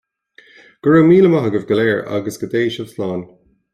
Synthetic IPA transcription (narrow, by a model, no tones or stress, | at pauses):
ɡ̥əɹəwmiːləmaɦəɡəvɡəlɛːɹa̰ɡəsɡ̥əd̪eːʃəvslɑːn